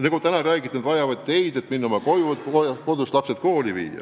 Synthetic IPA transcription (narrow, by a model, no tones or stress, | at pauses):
nɑɡut̪ænɑræːɡ̥it̪ːˑnd̪vɑjɑvɑd̪̚t̪e̞jd̪̥e̞t̪minːo̞mɑkojukoko̞d̪̥uslɑpset̪̚ko̞ːlivḭːjɑ̰